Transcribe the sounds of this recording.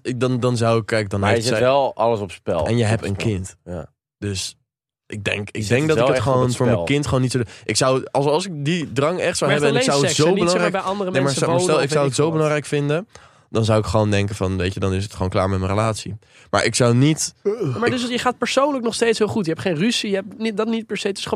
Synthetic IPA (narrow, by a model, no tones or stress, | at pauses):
ɪdɑndɑnzʌwɪkːɛjk̚dɑneɪɛlˠɑ̰ləsɔpspɛ̰lˠɛnjəɦɛp̚tənkɪntj | d̥øs | ʔɪɡ̚dɛ̰ŋkɪɡ̚dɛŋk̚dɑtɪətχəownfʊːɹɹməkɪntχəoːnːitsodʔɪksʌwɑlˠsɑlˠsɪk̚didrɑŋɛχtsawɛbəɛnksawəsowbəlɑŋrɛjkbɛjɑndərəmɛɛnmaastɛlˠɪkawətsowbəlɑŋɾɛjkfɪndən | dɑnzʌwɪkχəʋowndɛŋkəvɑnʋejcədɑnɪs̬ətχoːnkla̰ːɹmɛtmənrəlaːtsi | ma̰ːɹʔɪksʌwnitmadsjəχaːt̚pəɹsownləknɔχstejtsɦɪːlˠχutjəɦɛptχejnrysijəɛp̚nidɑtnit̚pɛɹsejtɪ̥sχ